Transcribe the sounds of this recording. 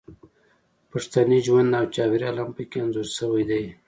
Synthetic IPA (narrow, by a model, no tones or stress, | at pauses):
paʂt̪aniʒwand̪nawt͡ʃɑwiɾialampəkeanzoɾsəwajd̪aj